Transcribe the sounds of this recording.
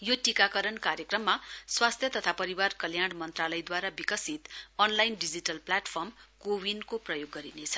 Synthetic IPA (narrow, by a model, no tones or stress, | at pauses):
joʈikakʌɾʌnkaɾjʌkrʌmːaswast̪ʰjʌt̪ʌt̪ʰapʌɾiwarkʌljaɽ̃mʌnt̪ralʌjd̪waɾabikʌsit̪ʌnlajnɖid͡ziʈʌlplaʈpʰʌrmkowinkoprʌjoɡːʌɾinet͡sʰʌ̥